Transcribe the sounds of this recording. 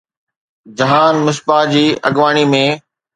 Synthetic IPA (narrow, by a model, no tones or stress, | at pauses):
d͡ʑɐɦaːnmɪs̬pad͡ʑiːɐ̰ɠʋaːɽ̃imẽː